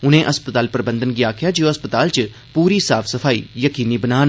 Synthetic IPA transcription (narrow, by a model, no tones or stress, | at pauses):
ʊnẽːʔəspət̪aːlpəɾəbə̃nd̪ənɡɪaːkʰɪjaːd͡ʒeoːəspət̪aːlt͡ʃ | puːɾiːsaːfʰsəfʰaːḭːjəkiːniːbənaːn